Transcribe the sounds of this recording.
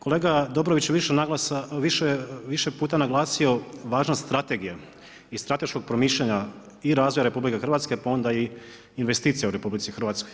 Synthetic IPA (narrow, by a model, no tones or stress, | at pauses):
ko̞leːɡad̪o̞bɾoʋit͡ɕjeʋiʃenaɡlaaʋiʃeʋiʃepuːt̪anaɡlˠaːsio̞ʋaːʒnast̪ɾat̪e̞ɡija | ist̪ɾat̪e̞ʃko̞ɡ̚pɾo̞miːʃʎaɲa | iɾaːzʋojaɾe̞publikexr̩ʋat̪ske̞pao̞nd̪aiː | nʋe̞st̪iːt̪sijauɾe̞publit̪sixɾr̩ʋat̪sko̞j